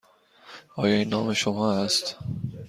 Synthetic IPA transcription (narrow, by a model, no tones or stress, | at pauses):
ɒːjɒːinːɒːmeʃomɒːæst̪